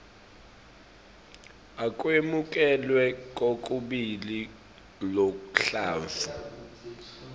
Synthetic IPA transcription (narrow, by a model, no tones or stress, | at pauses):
akʼwemukʼɛlwɛkʼokʼuɓili | lokʼuɬaːva